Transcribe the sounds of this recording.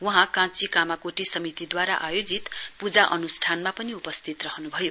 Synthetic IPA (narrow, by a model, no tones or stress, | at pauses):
wʌɦãkãt͡sikamakoʈisʌmit̪id̪waɾaʔajod͡zit̪pud͡zaʔʌnusʈʰanmapʌniupʌst̪ʰit̪rʌɦʌnubʱʌjo